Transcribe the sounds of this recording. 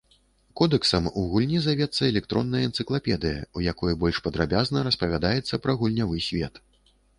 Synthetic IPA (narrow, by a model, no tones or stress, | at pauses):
kɔd̪ɛksɐmuɣulʲnʲizavʲɛt̪sːɐɛlʲɛk̚t̪ɾɔnːɐjɐɛnt̪sɨklˠapʲɛd̪ɨjɐ̰ujakɔjɛbɔlʲʂpɐd̪ɾabʲaznɐɾɐspɐvʲad̪ajɛt̪sːɐpɾɐɣulʲnʲavɨsʲvʲɛt̪